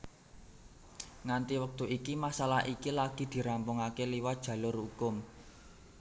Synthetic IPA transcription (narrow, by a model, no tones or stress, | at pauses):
ŋant̪iwək̚t̪uʔikimasala̰ʔikilaɡ̥i̤d̪̥i̤ɾampʊŋakeliwad̥ʒ̥ä̤lʊrhukʊm